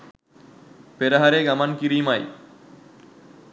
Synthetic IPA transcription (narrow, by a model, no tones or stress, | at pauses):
peɾaɦaɾeɡɐmankiɾimaj